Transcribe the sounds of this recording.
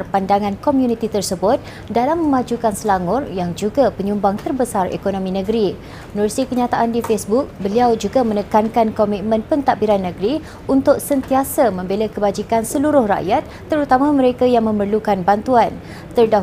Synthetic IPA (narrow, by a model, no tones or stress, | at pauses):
rpandaŋãnkomjunit̪it̪ərsəbʊt̪̚ | dalamːə̃mad͡ʒukansəlaŋʊrjaŋd͡ʒuɡapəɲumbaŋt̪ərbəsarḛkonomĩnə̃ɡɾi | nɔrsikəɲat̪aʔandifesbuk̚bəliawd͡ʒuɡamə̃nəkankankomit̪̚mə̃npənt̪abiɾanːəɡɾi | unt̪ʊk̚sənt̪iasamə̃mbeləkəbad͡ʒikansəluɾʊhra̰ʔjat̪̚ːəɾut̪amãmə̃ɾekajaŋmə̃mərlukanbant̪uan | t̪ərda